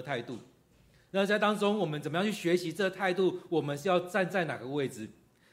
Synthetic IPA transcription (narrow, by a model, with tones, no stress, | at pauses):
t̪ʰa˥˧ɪt̪u˥˩ | na˥˩˧t͡sa˥ɪt̪ɑ˥ŋt͡so˥ŋwɔ˨˩mə˦nt͡sə˨˩mə˦jɑ˥ŋ˩t͡ɕʰy˥˩ɕɥɛ˧˥ɕi˧˦ʈ͡ʂɤ˥˧t̪ʰa˥˧ɪt̪u˥˩wɔ˨˩mə˦nʂ̩˥jɑ˥˧ʊt͡sa˥˧nt͡sa˥˩ɪna̰˨˩ɡə˦we˥˩ɪd͡zɹɻ̩˨˩